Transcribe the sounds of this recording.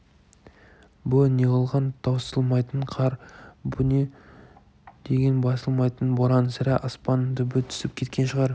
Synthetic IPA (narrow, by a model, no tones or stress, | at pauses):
bʊneqɑlˠʁɑnt̪ʰɑwsəlˠmɑjt̪əɴqʰɑɾbʊne | d̪̥e̞ɡʲenbɑsəlˠmɑjt̪ənboɾɑnsæɾæʔɑspɑnt̪ʏbɪt̪ʰʏ̥sɪp̚kʲʰe̞t̪̚kʲe̞nʃəʁɑɾ